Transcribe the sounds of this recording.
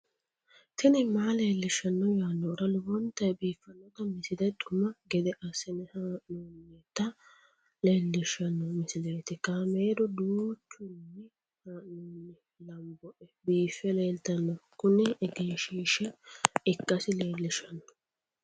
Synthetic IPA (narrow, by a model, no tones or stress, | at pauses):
t̪ɪnɛmaːle̞ːlːɪʃɐnːɔjaːnːɔɾɐlʊbɔnt̪ːɐjbiːfːɐnːɔt̪ɐmɪsɪd̪ɛt̪ʊmɐɡɛd̪ɛʔɐsɛnɛhaːʔnuːnːɛt̪ːɐ | le̞ːlːɪʃɐnːɔmɪsɪleːt̪ɪkɐmeːd̪ɔd̪uːt͡ʃːʊnːɛ | haːnunːɛ | lɐmbɔʔɛbiːfːɛleːlt̪ɐnːɔkʊnɛɛɡeːʃiːʃɛɪkːɐsɪle̞ːlːɪʃɐnːɔ̥